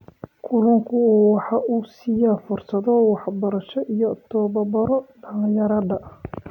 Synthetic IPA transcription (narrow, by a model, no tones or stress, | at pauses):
kʰʊlɐŋkʰʊwɑħɑʔuːsɪjafʊrsɐðɔwɑħbɐɾɐʃɔʔijɔt̪ʰɔːbɐbɐɾɔɖɐljɐɾɐdɐʔ